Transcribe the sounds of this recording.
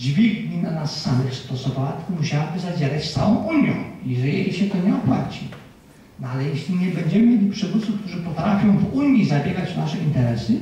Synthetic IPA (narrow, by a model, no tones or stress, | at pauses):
d͡ʑvʲiɡɲinanasːamɘxst̪ɔsɔvawat̪muɕawabɘzad͡ʑeɾat͡ɕt̪sa̰wɔ̃w̃ʔuɲjɔ̰̃iɛʐɛɛiɕɛt̪ɔɲɛɔpwa̰t͡ɕi | nalɛjɛɕlʲiɲɛbɛɲd͡ʑɛmɘmʲjelʲipʂɛvut̪sːufkt̪uʐɘpɔt̪ɾafʲjɔ̃w̃vuɲʲizabʲjɛɡat͡ɕnaʂɛint̪ɛɾɛsɘ